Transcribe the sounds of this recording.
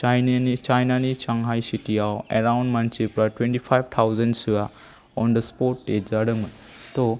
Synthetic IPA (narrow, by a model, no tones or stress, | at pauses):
t͡ʃajnit͡ʃajnanit͡ʃaŋɦajsitijawḛɾawnɖmant͡ʃipɾaʈwẽɳʈipʰajbt̪ʰawzənsɯa | ɔnd̪əspɔʈːezaɖəŋmən | t̪o